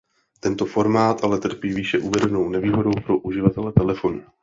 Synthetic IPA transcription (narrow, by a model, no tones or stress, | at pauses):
t̪ɛnt̪o̞fo̞ɾmaːt̪ʔalɛt̪r̩piːviːʃɛʔuvɛdɛno̞wnɛviːɦo̞do̞wpɾo̞ʔuʒɪvat̪ɛlɛt̪ɛlɛfo̞nu